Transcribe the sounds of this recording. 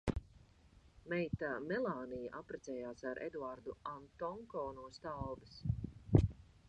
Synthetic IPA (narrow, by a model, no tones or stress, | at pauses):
mɛjt̪amɛlˠaːnijaʔapɾɛt̪sɛːjaːsaɾʔḛd̪uaɾd̪uant̪ɔŋkɔːnuɔst̪awbɨs